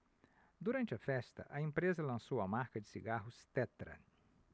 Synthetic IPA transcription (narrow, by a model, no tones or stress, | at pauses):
d̪uɾɐ̃nt͡ʃɪɐfɛst̪ɐ̰ʔɐẽmpɾezɐlɐ̃sowɐmaɾkɐd͡ʒɪsiɡaɦʊst̪ɛt̪ɾɐ̰